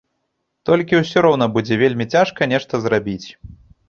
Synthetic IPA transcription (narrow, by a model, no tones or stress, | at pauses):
t̪ɔlʲkʲiwsʲɔɾɔwnɐbud͡zʲɛvʲelʲmʲit͡sʲaʂkɐnʲɛʂt̪ɐzrabʲit͡sʲ